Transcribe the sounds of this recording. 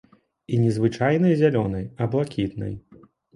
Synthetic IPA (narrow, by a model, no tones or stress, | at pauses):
inʲɛzvɨt͡ʂajnɨjzʲalʲɔnɐjɐblˠakʲit̪nɐ̰j